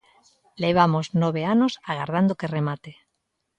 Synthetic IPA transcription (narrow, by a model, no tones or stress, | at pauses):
leβ̞amoznoβ̞eanosaɣ̞aɾð̞and̪okeremat̪e